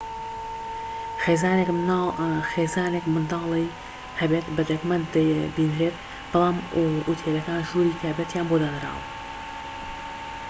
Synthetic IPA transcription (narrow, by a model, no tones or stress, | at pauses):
xeːzaːnekmaxeːzaːneːkmɨnd̪ɑːlˠɛj | hɐbeːt̪bɨd̪ɐkmɐnd̪d̪ɐbiːnɾeːt̪ | b̥ɨlˠaːmʔut̪ʰeːlɐkaːnʒuːɾiːk̪ʰahbet̪jaːnboːd̪anɨɾa̰ːw̰